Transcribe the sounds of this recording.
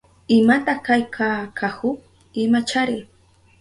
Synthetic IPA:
ɪmat̪ɑχkajkʰakʰakʊ | ɪmat͡ʃaɾɪj

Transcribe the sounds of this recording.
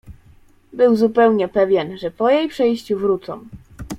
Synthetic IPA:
bɘwzupɛwɲɛpɛvʲjɛnʐɛpɔjejpʂɛjɕt͡ɕuvɾut̪sɔ̰̃w̃

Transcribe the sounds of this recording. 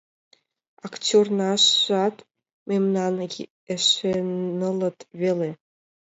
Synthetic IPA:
ɑktʲornɑʃɑt̪ | memnɑn | eʃenələ̆t̪βele

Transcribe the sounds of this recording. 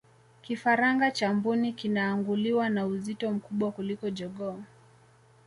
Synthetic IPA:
kifaɾaŋɡat͡ʃambunikinaːŋɡuliwanauzitɔm̩kuɓwakulikɔd͡ʒɔɡɔ

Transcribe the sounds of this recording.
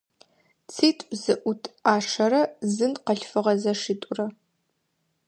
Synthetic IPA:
t͡sʰiːtʷʼzɨʔʷʊtʰaːʂɐɾɐzɨnqɐɬfɨʁɐzɐʂiːtʼʊrɐ

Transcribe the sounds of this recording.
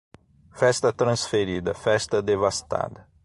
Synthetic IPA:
fɛst̪ɐt̪ɾɐ̃sfeɾid̪ɐfɛst̪ɐd̪evast̪a̰d̪ɐ

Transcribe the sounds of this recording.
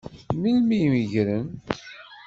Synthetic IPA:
milmijmiʝɾən

